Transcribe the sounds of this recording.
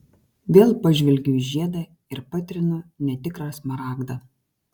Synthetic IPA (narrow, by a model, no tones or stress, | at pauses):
d̪ʲeːlˠpɐʒʲʋʲɪlʲɡʲuːʒʲiɛd̪ɑ | ɪɾpɐt̪ʲɾʲɪnʊnʲɛt̪ʲɪkɾɑsmɐɾɑːɡd̪ɐ